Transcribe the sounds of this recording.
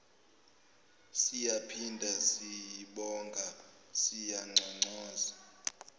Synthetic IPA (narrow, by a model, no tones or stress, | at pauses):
sijapʰindʱasijiɓɔŋɡʱa | sijaŋ͡ǀʱɔŋ͡ǀɔːza